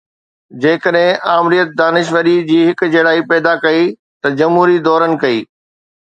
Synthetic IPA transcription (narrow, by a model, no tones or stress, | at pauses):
d͡ʑeːkəɗɦɪ̃ʔaːmɾijət̪̚d̪aːnɪʃʋəɾid͡ʑiːɦɪkd͡ʑɐɽaːipɛːd̪akɐi | t̪ɐd͡ʑɐmɦuːɾid̪ɔːɾənɪ̆kɐiː